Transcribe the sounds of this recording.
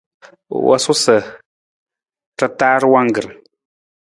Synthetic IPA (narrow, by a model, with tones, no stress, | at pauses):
wʔa̰˦sʊ˦sə˨ | ta˦taː˦ɾwa˦ŋ˦ɡɨ˨ɾɨ˨